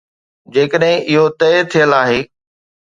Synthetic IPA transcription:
d͡ʑeːkəɗɦɪ̃ʔɪɦot̪ɛːt̪ʰijəlaːɦeː

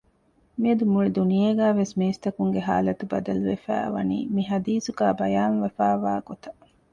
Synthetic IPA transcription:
miɐd̪umuɭid̪unijeːɡæːʋesmeːst̪ɐkuŋɡeɦa̰ːlɐt̪ubɐ̰d̪ɐluʋḛfæ̰ːʋɐ̰nḭːmiɦɐd̪iːsuɡæːbɐjaːnʋɐfæːʋaːɡ̥ot̪ɐ

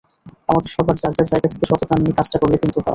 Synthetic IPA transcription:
amad̪eɾʃɔbʱaɾd͡ʑaɾd͡ʑaɾd͡ʑajɡat̪ʰe̥keʃɔt̪ot̪annikat͡ɕʈakoɾlekint̪upa̰

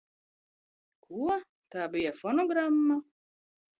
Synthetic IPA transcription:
kʰuɔ | t̪aːbijafɔnɔɡɾamːa

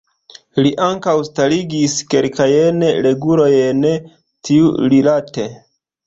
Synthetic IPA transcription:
liʔaŋkawstaliɡiske̞lkajenle̞ɡulo̞jen | tʰiuɾilate̞

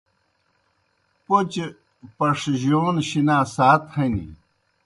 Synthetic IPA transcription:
pot͡ɕe | pɐʂʑoːnɕinaːsaːt̪hɐnḭ

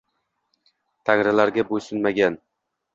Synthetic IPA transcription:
t̪ʰaŋɾɪlaɾɡʲabojsʊnmaɡʲan

